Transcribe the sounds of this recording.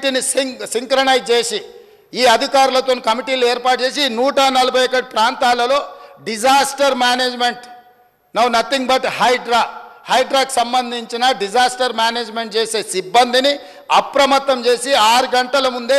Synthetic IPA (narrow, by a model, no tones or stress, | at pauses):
ʈinisisiŋkɾɐnɐjd͡ʒt͡ʃe̞ːsi | iːɐd̪ʱikaːɾulɐt̪oːnikɐmiʈiːloːeːɾpaːʈ̚t͡ʃe̞ːsinuːʈɐnɐlɐbʱɐjɐkːɐɽipɾaːnt̪aːlɐlo̞ːɖid͡ʒaːsʈɐɾmjaːneːd͡ʒme̞ɳʈ | nɐwnɐt̪ːiŋɡbɐʈhɐjɖɾaːhɐjɖɾaːki̥sɐmbɐnd̪ʱiɲt͡ʃinɐɖid͡ʒaːsʈɐɾmjaːneːd͡ʒmeɳʈ̚t͡ʃe̞ːse̞ːsibːɐnd̪ini | ɐpɾɐmɐt̪ːɐmt͡ʃe̞ːsiaːɾuɡɐɳʈɐlɐmund̪e